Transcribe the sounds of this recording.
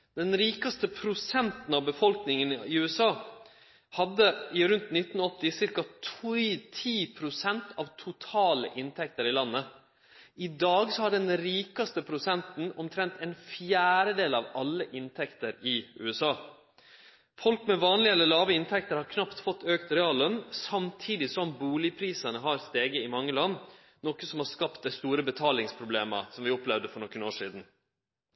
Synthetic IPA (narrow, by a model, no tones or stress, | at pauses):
d̪ɛnɾiːkɑst̪əpʰɾʊsɛnt̪nɑʋbəfɔlknɪŋənɪʉːɛsɑː | hɑd̪ːəɪɾʉnt̪nɪt̪ːnɔt̪ːɪsɪɾkɑt̪ʰut̪ʰiːpʰɾʊsɛnt̪ʰɑʋt̪ʰʊt̪ʰɑːlə̰ʔɪnt̪ʰɛk̚t̪əɾɪlɑnːə | ɪd̪ɑːɡsɔhɑɖɛnɾiːkɑst̪əpʰɾʊsɛnt̪n̩ɔmt̪ʰɾɛnt̪ʰɛnfjæːɾəd̪eːlɑʋɑlːəʔɪnt̪ʰɛkt̪əɾɪʔʉ̰ːɛsɑː | fɔlkmɛʋɑːnlɪɛlːəlɑːʋəɪnt̪ʰɛk̚t̪əɾhɑɾkʰnɑpt̪fɔt̪ːøːkt̪ɾɛɑːlːənsɑmt̪ʰiːd̪ɪsɔmbuːlɪpʰɾiːsɑnəɦɑːɾst̪eːɡəɪmɑŋːəlɑnː | nɔkəsɔmhɑʂkɑpt̪d̪æɪst̪uːɾəbət̪ʰɑːlɪŋspʰɾʊbleːmə̰sɔmʋɪɔplɛʋd̪əfɔɳɔkːənoːʂiːd̪n̩